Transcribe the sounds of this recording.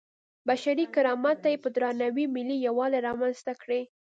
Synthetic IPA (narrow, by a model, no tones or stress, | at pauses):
baʃaɾikɪɾɑmat̪ːajepəd̪ɾɑnawimɪlijawɑleɾɑmanst̪akɽe